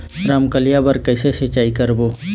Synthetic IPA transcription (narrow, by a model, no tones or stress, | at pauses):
ɾaːmkəlijabəɾkəːsesɪt͡ʃaːikəɾboː